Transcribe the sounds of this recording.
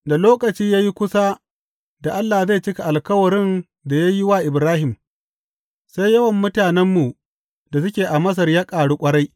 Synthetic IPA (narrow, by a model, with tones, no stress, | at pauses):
da˨loː˦kʼɐ˨t͡ʃiː˦jaː˦ji˦kʷʊ˦sa˦ | da˨ʔa˦lːaː˨za˦jt͡ʃɪ˦ka˨ʔa˨lkɐ˦wɐ˨ɾɪ˦n | da˨ja˦jɪ˦waː˦ʔɪ˨bɾaː˦ɦɪ˨m | sa˦jjɐ˦wɐ˨mːʊ˦taː˨nɛ˦mːu˨ | da˨s̬ʊ˦kʲeː˨ʔa˨mɐ˦s̬ɐ˨rjaː˦kʼaː˨ɽu˦kʷʼɐ˦ɽa˦j